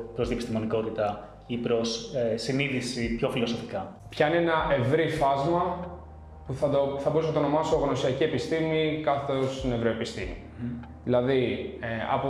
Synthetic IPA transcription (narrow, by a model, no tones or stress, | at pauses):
pɾozðiepist̪imoniko̞t̪it̪ɐ | ipɾo̞sesiniðisipço̞filo̞so̞fi̥kɐ | pçɐinenɐʔe̞vɾifɐzmɐ | puθɐd̪oθɐbousnɐt̪ono̞mɐso̞ɣno̞siɐcie̞pist̪imikɐθet̪ost̪ne̞vɾoepist̪ḭmi | ðilɐðiɐ̰po